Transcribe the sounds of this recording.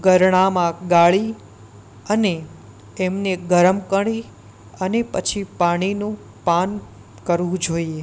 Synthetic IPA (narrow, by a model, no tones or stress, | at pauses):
ɡəɾɳ̃amãɡaɭi | əne | ɛmneɡʱəɾəmkəɽi | ənepət͡ʃʰipaɽ̃inũ | pan | kəɾʋũd͡ʒoie